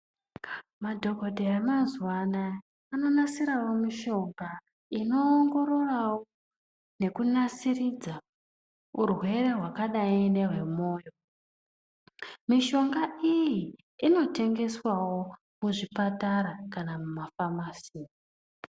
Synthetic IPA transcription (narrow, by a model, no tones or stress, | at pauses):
madʱo̞ɡʱodʱeemanzwanaː | no̞nasiɾawo̞miʃo̞ŋɡa | ino̞ːŋɡo̞ɾo̞rawo | ne̞kunasirid͡za | urwe̞re̞rɦwakaɗaindeɦwe̞mo̞ːjo̞ | miʃo̞ŋɡaiji | ino̞te̞ŋɡe̞swawo̞ | muʐipataɾakanamumafamasiːi